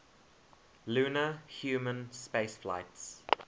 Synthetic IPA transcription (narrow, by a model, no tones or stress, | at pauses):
luːnəhjuːmə̃nspeɪsfla̰ɪts